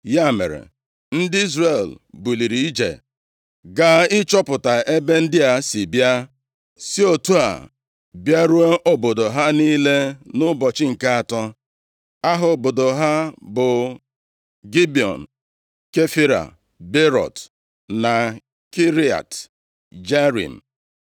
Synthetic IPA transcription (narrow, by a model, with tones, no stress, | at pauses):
ja˦˨mḛ˨ɾḛ˨ | n̩˦dɪ˦i˦zre˨l | bʊ˨li˨ɾi˨i˦d͡ʒḛ˨ | ɡa˦ɪ˦t͡ʃɔ˦pʊ˨ta˨ʔe˦be˦n̩˦dɪ˦a˨si˨bja˦ | si˦o˨tu˦a̰˨ | bja˦ɾu˦e˦ʔo˦bo˨do˨ɦa˦niː˦le˦nʊ˦bɔ˨t͡ʃɪ˦ŋ̩˨ka˦a˨tɔ˦ | a˦ɦʊ˨bo˨do˨ɦa˦bʊ˨ | ɡi˦bi˨ɔ̰˨n̩˨ | ke˦fi˦ɾa̰˨ | be˦ɾɔ̰˨t | na˨ | ki˦ɾi˨˦a̰˨t | d͡ʒe˦ɾḭ˨m̩˨